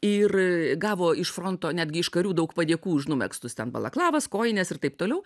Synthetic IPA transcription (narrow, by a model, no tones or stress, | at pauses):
ɪrɡɑːʋoːɪʃfɾoːnt̪oːnʲæːd̪ʲɡʲɪɪʃkɐɾʲuːd̪ɐʊkpɐd̪ʲiɛkuːʒnʊmʲɛ̰kst̪ʊst̪ʲɛnbɐ̰lˠɐ̰klˠɑːʋɐskoːjɪnʲɛsɪrt̪ɐɪp̚t̪oːlʲɛʊ